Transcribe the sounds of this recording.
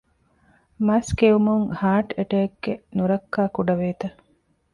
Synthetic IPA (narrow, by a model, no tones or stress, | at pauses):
mɐskeumuŋhaːʈeʈeːkːenuɾɐkːaːkuɖɐʋeːt̪ɐ